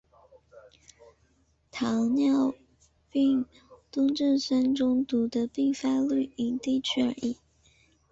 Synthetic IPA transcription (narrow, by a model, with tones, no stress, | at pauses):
t̪ʰɑ˧˥ŋnjɑ˥˧ʊ | pi˥˧ŋ | t̪ʊ˥ŋʈ͡ʂə˥˩nʂə˥nʈ͡ʂʊ˥ŋt̪u˧˥d̪ə˧pi˥˧fa˥ly˥˩y˧˥ŋt̪i˥˧t͡ɕʰɛ˥˩ə˧ʔi˥˩